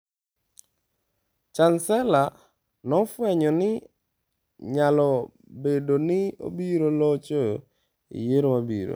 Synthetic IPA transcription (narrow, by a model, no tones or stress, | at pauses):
t͡ʃansɛla | nɔfwɛɲɔnɪ | ɲalɔ | bedonɪo̰biɾolɔt͡ʃo | ḭjeɾomabḭɾo̰